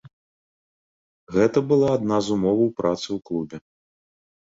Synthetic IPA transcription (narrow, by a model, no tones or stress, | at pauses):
ɣɛt̪ɐbɨlˠaːd̪nazumɔvɐwpɾat̪sɨwklˠubʲɛ